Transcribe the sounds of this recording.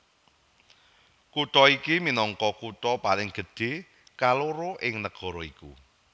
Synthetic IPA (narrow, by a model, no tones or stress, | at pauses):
kut̪ɔikiminɔŋkɔkut̪ɔpalɪŋɡ̥ə̤ɖ̥e̤ | kaloɾoʔɪŋnəɡ̥ɔ̤ɾɔiku